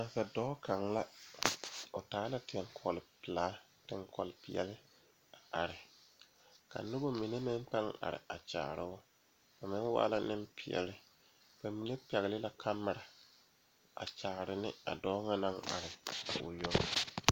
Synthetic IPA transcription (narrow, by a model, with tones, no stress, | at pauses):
na˨nsa˨dɔː˦ka˨ŋla˦ | ʊ˨taː˨˦la˦tɪ˨ɛ˨ŋkʰɔ˨lɪ˨pɪ˨laː˨˦ | tɪ˦ŋkɔ̰˨lɪ˨pɪ˨ɛ̰˨lɪ˦ | a˨ʔa˨ɾɪ˨ | ka̰˨nʊ˦bo˦mi˨ne˦mɪ˦mpa˦ŋa̰˨ɾɪ̰˨a˨t͡ʃa̰ː˨ɾɪ˦ʊ˦ | ba˨mɪ˦n˦wa̰ː˦la˦nɪ˦mpʰɪ˨ɛ̰˨lɪ˦ | ba˨mi˨ne˦pɛ˨ɣlɪ˦la˦kʰa˦mːɪ˨ɾa˨ | a̰˨t͡ʃaː˨ɾɪ˨nɪ̰˦a̰˨dɔː˦ŋa˦na˦ŋa̰˨ɾɪ˨a̰˨ʔʊ̰˨jo˦ŋ˦